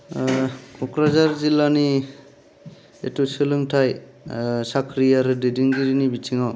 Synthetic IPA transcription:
kʰɔkɾazaɾzilani | ḛtusɯlɯŋtʰaj | sakʰɾijaɾɯdidiŋɡiɾinibitʰiŋaw

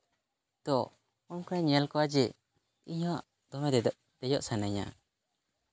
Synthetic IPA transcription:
d̪̥ɔ | unkɾaɲɛlkɔwad͡ʒɛ | iɲɔaʔ | d̪ɔmɛd̪ɛd̪ɔʔ | d̪̥ɛjɔʔsanaɲa̰

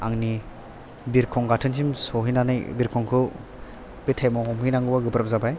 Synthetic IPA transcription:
aŋni | biɾkʰɔŋɡatʰɯnsimsɔɦinanɯjbiɾkʰɔŋkʰɯ | b̥itʰajmɔhɔmhinaŋɡɯbaɡɯbɾam̚zabaj

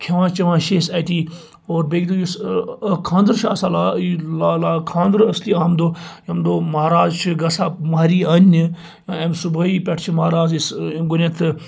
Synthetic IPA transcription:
kʲʰeʋãːt͡ʃɐʋãːʃeːsɐt̪iː | oːɾbeːɡd̪ojuskʰãːnd̪əɾʃaːsaːlaːlalaːkʰãːnd̪əɾɐsliːaːmd̪oːjɐmd̪oːmaːɾaːzt͡ʃʰiɡɐsaːmaːɾiːɐnʲː | jãːemsubɐiːpʲɐʈʰt͡ʃʰimaːɾaːzisɡunʲɐt̪ʰɨ

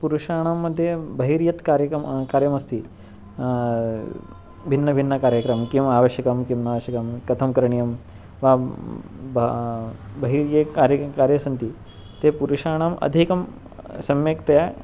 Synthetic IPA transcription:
puɾuʂaːɽ̃amːəd̪ʱːjebɐɦiɾjɐt̪kaɾjɐkɐmkaːɾjɐmɐst̪iː | bʱinːɐbʱinːɐkaːɾjɐkɾɐmkĩʋaaʋəɕjɐkɐmkimnaʋəɕjɐkɐmkɐt̪ʰɐmkɾɐɳ̃ijɐm | ʋa | b | bʱɐɦiɾjekaɾjɐkaːɾjɐsɐnt̪i | t̪epuɾuʂaːɽ̃amɐ̰d̪ʱikɐm | sɐmjekt̪ɐja

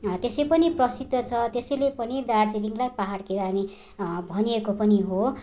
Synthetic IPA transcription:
t̪esepʌniprʌsid̪ʱːʌt͡sʰʌt̪esʌjlepʌnid̪ard͡ziɾiŋlajpaɦaɽkiɾane | bʱʌniekopʌniɦo

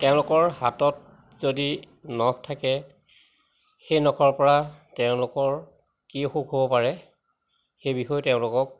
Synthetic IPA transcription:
tɛʊ̃lʊkɔɹhatɔt̚ | zodi | nɔkʰtʰakɛ | xejnɔkʰɔɹpɔɹatɛʊ̃lʊkɔɹ | kixokɦobɔpaɹɛ | xejbixɔjɔtɛʊ̃lʊkɔk̚

